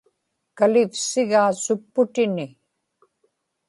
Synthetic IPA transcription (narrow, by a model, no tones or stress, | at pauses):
kalɪfsɪɣaːsʊpːʊt̪ɪnɪ